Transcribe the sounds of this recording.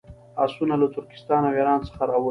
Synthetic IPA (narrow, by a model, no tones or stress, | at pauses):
ɑ̰sunalat̪ʊɾkɪ̥st̪ɑnaweɾɑnt͡sə̥xaɾɑwə